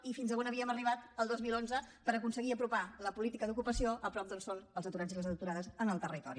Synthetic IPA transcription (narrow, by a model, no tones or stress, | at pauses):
ifinzəβonəβiəməriβ̞at̪əlˠd̪ozmilˠonzəpəɾəkunsəɣiəpɾupaləpulit̪ikəðukupəsioʔəpɾɔp̚d̪olˠsonəlˠzət̪uɾaziləzəðt̪uɾaðəzənəlˠt̪ərit̪ɔ̰ɾi